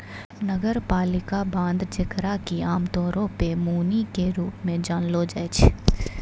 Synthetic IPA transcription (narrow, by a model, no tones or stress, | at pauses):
nəɡəɾpaːlɪkabãːnd̪d͡ʒɪkɾakiaːmt̪ɔːɾõpemuːnikeɾuːpmẽd͡ʒaːnlod͡ʒat͡ʃʰ